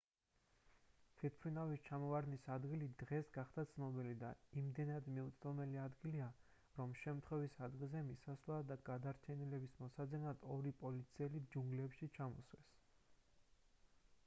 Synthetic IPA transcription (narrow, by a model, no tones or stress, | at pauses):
fʰit̪̚ʰpʰɾinavist͡ʃʰamɔvaɾnisad̪ɡilid̪ʁɛsɡaχd̪at̪sʰnɔbilid̪aimd̪ɛnad̪miut̪sd̪ɔmɛliad̪ɡilia | ɾɔmʃɛmt̪ʰχwɛvisad̪ɡilˠzɛmisasvlˠad̪aɡad̪aɾt͡ʃʰɛnilɛbismɔsad̪zɛnad̪ɔɾipʼɔlit̪sʰiɛlid͡ʒuŋɡlɛpʃit͡ʃʰamɔslɛs